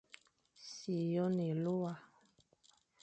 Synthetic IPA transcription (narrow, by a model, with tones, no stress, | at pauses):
si˨jɔ˦ne˨lo˦wa˨